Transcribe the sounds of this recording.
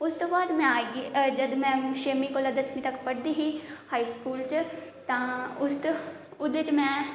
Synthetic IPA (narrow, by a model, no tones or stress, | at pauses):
ʊst̪oːbaːd̪mɛ̃ːaːɡiːd͡ʒəd̪mɛ̃ːʃeːmĩːkoːlad̪əsmĩːt̪əkpəɽd̪iːɦiːhaːiːskuːlt͡ʃt̪ãːʊst̪ʊd̪et͡ʃmɛ̃ː